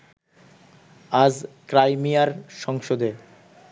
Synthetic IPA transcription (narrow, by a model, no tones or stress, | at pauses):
ad͡ʑkɾajmijaɾʃɔŋʃod̪e